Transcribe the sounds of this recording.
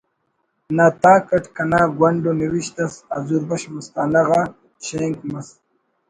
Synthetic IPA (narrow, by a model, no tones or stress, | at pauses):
naːt̪aːkɐʈkɐnaːɡwɐɳɖoniwiɕt̪ɐsazuɾbɐɕmust̪aːnɐɣa | ɕeŋkmɐs